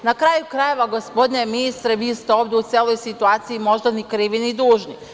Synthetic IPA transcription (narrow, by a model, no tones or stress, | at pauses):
nakɾaːjukɾaje̞ʋaɡospo̞d̪neeminist̪ɾeʋist̪oʋd̪eut̪seːlˠojsit̪uaːt̪siimo̞ʒd̪anikɾiːʋinid̪uːʒni